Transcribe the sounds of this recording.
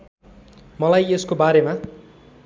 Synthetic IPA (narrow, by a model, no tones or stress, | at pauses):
mʌlajeskobaɾema